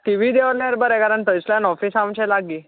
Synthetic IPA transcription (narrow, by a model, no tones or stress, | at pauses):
ʈiʋiːd̪eʋəɾlaɾbəɾɛkaɾaɳt̪əjsljanɔfisamt͡ɕɛ̃laɡiː